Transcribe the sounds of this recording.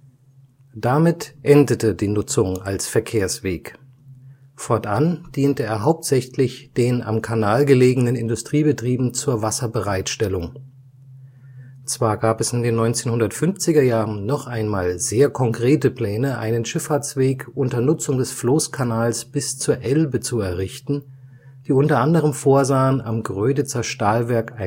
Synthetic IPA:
d̥amɪtʔɛndətədiːnʊt͡sʊŋalsfɛɐkʰeːɐsv̥eːk | fɔɐtʔand̥iːntəeːɐɦaʊp̚tz̥ɛçlɪçd̥eːna̰mkʰanaːlɡəleːɡənənɪndʊstʁ̥iːbətʁ̥iːbm̩t͡suːɐvasɐbəʁaɪtʃtɛlʊŋ | t͡sv̥aːɐɡaːpɛsɪndeːnːɔʏnt͡seːnhʊndɐtfʏnft͡sɪɡɐjaːʁənːɔχʔaɪnmaːlzeːɐkʰɔŋkʁ̥eːtəpl̥ɛːnəʔa̰ɪnənʃɪfaɐt͡sv̥eːkʔʊntɐnʊt͡sʊŋdɛsfloːskʰanaːlsb̥ɪst͡suːɐʔɛlbət͡suɛɐʁɪçtn̩ | d̥iːʔʊntɐʔandəʁ̞əmfoːɐzaːənʔa̰mɡʁøːdət͡sɐʃtaːlvɛɐkaɪ

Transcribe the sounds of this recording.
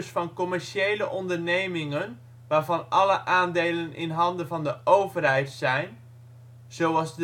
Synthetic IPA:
sfɑnkɔmɛɹʃejləʔɔndəɹnejmɪŋən | ʋaːɹvɑnʔɑləʔaːndejlənɪ̰nɦɑndəvɑndəʔowvərɦɛjtsɛjn | z̥owɑlˠzd

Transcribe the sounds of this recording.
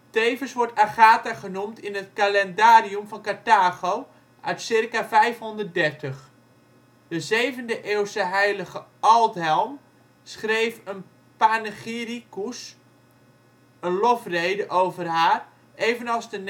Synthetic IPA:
tejvəsʋɔɹtaχaːtaχənumtʰɪnət̚kalɛndaːriumfɔnkataːɣow | ʔœɥtsɪrkavɛjfɦɔndərt̚dɛrtəχ | d̥əzejvəndəʔeːwsəɦɛjləɣəɔlˠtɦɛlˠm | sχrejfən | panəχirikus | ənlɔfrejdəʔowvərhaːr | ʔejvənɑlˠzdən

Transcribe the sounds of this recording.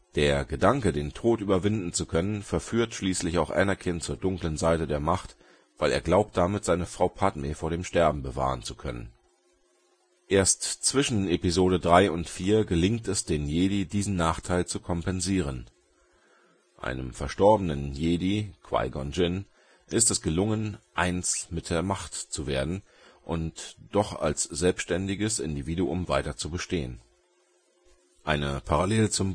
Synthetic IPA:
d̥eːɐɡədaŋkədeːntʰoːtʔyːbɐvɪndn̩t͡sukʰœnənfɛɐfyːɐtʃliːslɪçaʊxʔɛ̰nɐkʰɪnt͡suːɐdʊŋklənzaɪtədeːɐmaχt | v̥aɪleːɐɡlaʊp̚t̚d̥amɪtz̥aɪnəfʁ̥aʊpʰatmefoːɐɾeːmʃtɛɐb̚m̩bəva̰ːʁ̞ənt͡su̥kʰœnə̰n | ʔeːɐstt͡sv̥ɪʃn̩ʔepizoːɾədʁaɪʊntfiːɐɡəlɪŋktɛsd̥eːnjeːdidiːzn̩naːχtʰaɪlt͡sukʰɔmpɛnziːʁ̞ən | ʔa̰ɪnəmfɛɐʃtɔɐbənənjeːdikʰv̥a̰ɪɡɔnd͡ʒɪn | ʔɪstɛsɡ̥əlʊŋənʔaɪnt͡smɪt̚d̥eːɐmaχtt͡suveːɐdn̩ | ʔʊntd̥ɔχa̰lsz̥ɛlpsʃtɛndɪɡəsɪndiviːduʔʊmvaɪtɐt͡subəʃteːən | ʔaɪnəpʰaʁaleːlt͡sʊm

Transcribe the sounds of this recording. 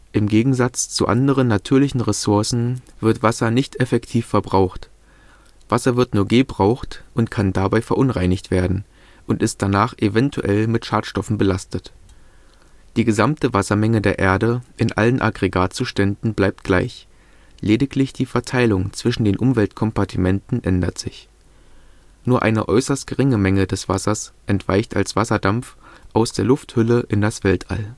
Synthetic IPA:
ʔɪmɡeːɡŋ̩zat͡st͡sṵʔa̰ndəʁ̞ənːatʰyːɐlɪçn̩ʁesʊɐsn̩v̥ɪɐtv̥asɐnɪçtʔɛfɛktʰiːfɛɐbʁaʊxt | v̥asɐvɪɐtnuːɐɡeːbʁaʊxtʔʊntkʰandabaɪfɛɐʔʊnʁaɪnɪçtv̥eːɐdn̩ | ʔʊntɪst̚d̥anaːχʔevɛntʰṵʔɛlmɪtʃaːtʃtɔfn̩bəlastət | d̥iːɡəzamtəvasɐmɛŋədeːɐʔḛːɐdəʔɪnʔa̰lənʔa̰ɡʁeɡaːtt͡suːʃtɛndn̩blaɪp̚t̚ɡ̥la̰ɪç | leːdɪklɪçd̥iːfɛɐtʰaɪlʊŋt͡sv̥ɪʃn̩deːnʔʊmvɛltkʰɔmpaɐtʰimɛntn̩ʔɛndɐtz̥ɪç | nuːɐʔa̰ɪnəʔɔʏsɐstɡ̥əʁɪŋəmɛŋədɛsv̥asɐsʔɛntv̥aɪçta̰lsv̥asɐdamfʔaʊsd̥eːɐlʊfthʏləʔɪndasv̥ɛltʰʔa̰l

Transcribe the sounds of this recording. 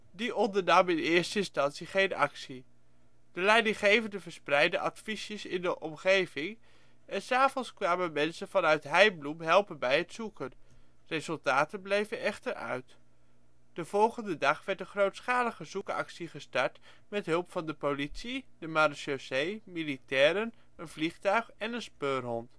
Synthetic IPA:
diɔndəɹnɑmɪnɪːɹstəɪnstɑnsiχejnɑ̰ksi | d̥əlɛjdɪŋχejvəndəvəɹsprɛjdəʔɑtfisəsɪ̰ndəʔɔmχejvɪŋ | ɛnsaːvɔnskʋaːmənmɛnsənvɑnœɥtɦɛjblumɦɛlˠpənbɛjɦətsukən | rezɵlˠtaːtənblejvənɛχtəɹœ̰ɥt | d̥əv̥ɔlˠχəndədɑχʋɛɹtənχrowtsχaːləχəzukɑ̰ksiχəstɑɹt | mɛtɦɵlˠpfɑndəpolitsidəmarʃosejmilitɛːɾən | ənvliχtœɥχɛnənspøːɹɦɔnt

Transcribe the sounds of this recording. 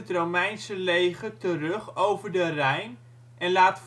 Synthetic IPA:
ətrowmɛjnsəlejχətərɵχowvəɹdərɛjn | ʔɛnlaːtf

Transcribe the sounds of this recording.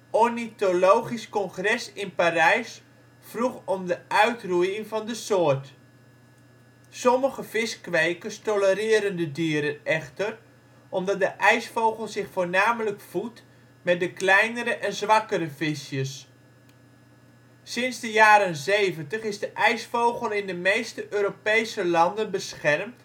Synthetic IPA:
onitolowχiskɔŋχrɛsɪnparɛjs | fruχɔmdəœɥtrujɪŋvɑndəsʊːrt | sɔməɣəv̥ɪskʋejkəstɔləɾɪːɾəndədiəɾənɛχtər | ʔɔmdɑt̚dəʔɛjsfowɣəlˠzɪχfoːɹnaːmələkfut | mɛt̚dəklɛjnəɾəʔɛnzʋɑkəɾəvɪsjəs | sɪnzdəjaːɾənzejvəntəχɪzdəʔɛjsfowχəlˠɪndəmejstəʔøːɾopejsəlɑndənbəsχɛrmt

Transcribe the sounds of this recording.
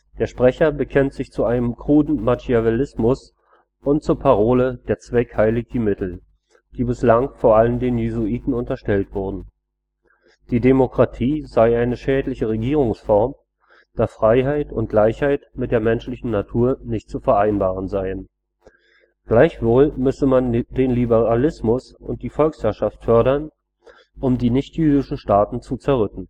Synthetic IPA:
d̥eːɐʃpʁ̥ɛçɐbəkʰɛntz̥ɪçt͡suʔaɪnəmkʁ̥uːdn̩matiavelɪsmʊs | ʔʊntt͡suːɐpʰaʁ̞oːləd̥eːɐt͡sv̥ɛkhaɪlɪɡimɪtl̩ | d̥iːbɪslaŋfoːɐʔaləndeːnjezuiːtn̩ʊntɐʃtɛltv̥ʊɐdn̩ | d̥iːdemokʁ̥atʰiːzaɪʔaɪnəʃɛːtlɪçəʁeɡiːʁ̞ʊŋsfɔɐm | d̥aːfʁ̥aɪɦaɪtʊ̰nt̚ɡ̥laɪçhaɪtmɪt̚d̥eːɐmɛnʃlɪçn̩natʰuːɐnɪçt̚t͡sufɛɐʔaɪnbaːʁ̞ənzaɪən | ɡ̥laɪçv̥oːlmʏsəmand̥eːnlibəʁalɪsmʊs | ʊ̰nt̚d̥iːfɔlkshæɐʃaftfœɐɾɐn | ʔʊmdiːnɪçtjyːdɪʃn̩ʃtaːtn̩t͡sut͡sɛɐʁʏkn̩

